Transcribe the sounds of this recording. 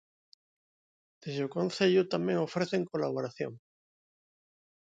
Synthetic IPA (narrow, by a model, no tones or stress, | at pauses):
d̪̥ezokõnθeʎʊt̪amẽŋofɾeθeŋkolaβ̞oɾaθjo̰ŋ